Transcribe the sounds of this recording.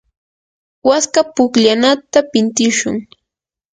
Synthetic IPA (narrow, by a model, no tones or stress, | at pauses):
waskapʊkʎanat̪apɪnt̪ɪʃʊ̰ŋ